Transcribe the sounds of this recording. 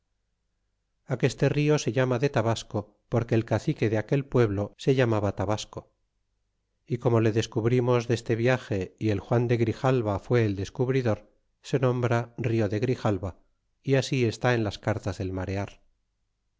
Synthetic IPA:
ake̞st̪e̞rio̞se̞ʎamaðe̞t̪aβasko̞ | po̞ɾkeːlkaθike̞ðeake̞lpwe̞βlo̞se̞ʝamaβat̪aβasko̞ | iko̞mo̞le̞ðe̞skuβɾimo̞zðe̞st̪e̞βjaxe̞ie̞lxwand̪e̞ɣɾixalβafwe̞ːld̪e̞skuβɾiðo̞ɾ | se̞nõ̞mbɾario̞ðe̞ɣɾixalβa | iasie̞st̪ae̞nlaskaɾt̪azðe̞lmaɾe̞aɾ

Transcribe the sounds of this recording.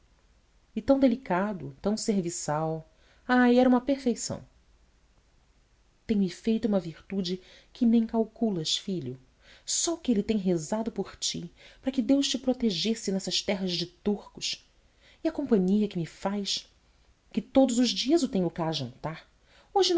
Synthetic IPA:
ɪt̪ɐ̃w̃d̪elikad̪ʊ̰t̪ɐ̃w̃seɾvisaw | ajɛɾɐũmɐpeɾfejsɐ̰̃w̃ | t̪ẽj̃mɪfejt̪ʊũmɐviɾt̪ud͡ʒɪ | kʰɪnẽj̃kawkulɐʃfiʎʊ | sɔkɪelɪt̪ẽj̃ɦezad̪ʊpʊχt͡ʃipɾɐkɪd̪ewʃt͡ʃɪpɾot̪eʒesɪnɛsɐʃt̪ɛɦɐzd͡ʒɪt̪uɾkʊʃ | ɪɐkõmpɐ̃ɲiɐkɪmɪfajs | kɪt̪od̪ʊzʊzd͡ʒiɐzʊt̪ẽɲ̃ʊkaʒɐ̃nt̪aɾ | oʒɪn

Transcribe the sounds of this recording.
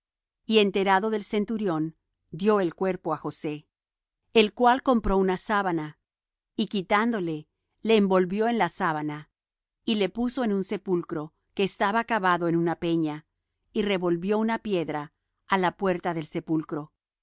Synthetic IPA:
ie̞nt̪e̞ɾaðo̞ðe̞lse̞nt̪uɾjo̞n | d̪jo̞e̞lkwe̞ɾpo̞axo̞se̞ | elkwalko̞mpɾo̞unasaβana | ikit̪and̪o̞le̞ | le̞ːmbo̞lβjo̞enlasaβana | ile̞puso̞e̞nunsepulkɾo̞ | keːst̪aβakaβaðo̞enunape̞ɲa | ire̞βo̞lβjo̞unapje̞ðɾaː | lapwe̞ɾt̪aðe̞lse̞pulkɾo̞

